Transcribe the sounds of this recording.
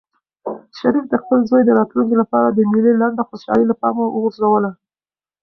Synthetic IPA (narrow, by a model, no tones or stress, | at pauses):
ʃaɾifd̪əxpəlzojd̪əɾɑt̪luŋkolapɑɾad̪əmililaɳɖaxoʃɑ̰ləlapɑmowəɣʊɾzawəla